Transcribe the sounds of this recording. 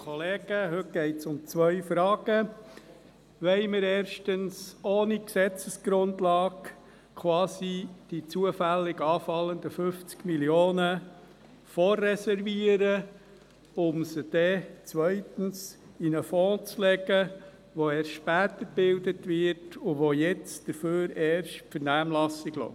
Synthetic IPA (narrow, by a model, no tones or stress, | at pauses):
kʰɔleːɡ̥əɦɵt̚ɡ̥ɛɪtsʊmt͡sʋœʏfɾɑːɡ̥ə | ʋɛɪməɾɛːɾʃtənsoːniksɛt͡səsɡ̥ɾʊndlɑːk | kʰwɑːzid̥it͡suəfælːɪɡɑːfɑlənd̪əfʏft͡skmiljoːnə | fɔrːɛsɛɾviəɾə | ʊmsəd̥ɛt͡sʋœʏtən̩s | inəfɔ̃ːt͡slɛɡə | ʋoɛːsʃpæːt̪əb̥ɪldətʋɪtʰʊʋojɛt͡sd̥əføːɾɛːɾʃtpfəɾnæːmlɑsɪɡlɔ̰